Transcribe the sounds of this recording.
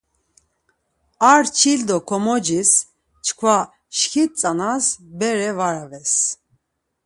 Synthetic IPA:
aɾt͡ʃʰild̪ɔkʰɔmɔd͡ʒis | t͡ʃʰkʰva | ʃxit̪̚t͡sʼanasbɛɾɛvaɾavɛs

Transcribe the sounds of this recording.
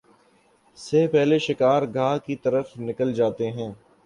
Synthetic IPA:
sepɛɦleʃɪkaːɾɡʱaːkit̪ɐɾəfnɪkəld͡ʒaːt̪eɦɛ̃ː

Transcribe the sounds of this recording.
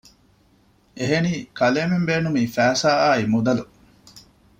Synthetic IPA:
ʔeɦeniːkʰɐleːmembeːnumiːfæːsaːaːimud̪ɐlu

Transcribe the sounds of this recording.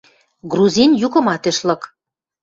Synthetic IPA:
ɡruzʲinjukɤ̆mɑt̪ĕʃlɤ̆k

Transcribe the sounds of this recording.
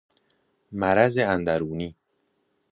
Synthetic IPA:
mæɾæzeænd̪æɾuːniː

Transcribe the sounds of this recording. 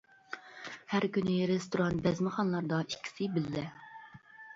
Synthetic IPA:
hæɾkʲynɪɾest̪oɾɑnt̪̚bɛzmɪχɑnlˠɑɾd̪ɑikʲʰːi̥sɪbɪlːɛ

